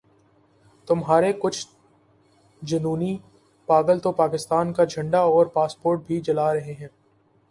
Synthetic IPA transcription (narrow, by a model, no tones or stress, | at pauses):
t̪ʊmɦaːɾekʊt͡ʃʰ | d͡ʒɐnuːni | paːɡəlt̪opaːkɪst̪aːnkad͡ʒʱɐ̃ɳɖaɔːɾpaːspoːɾʈ̚bʱid͡ʒɐlaːɾɐɦeɦɛ̃ː